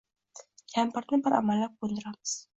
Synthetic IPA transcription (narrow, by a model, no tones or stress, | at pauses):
kʲʰampɪɾnɪbɪɾa̰malːap̚qond̪ɪɾamɪz̥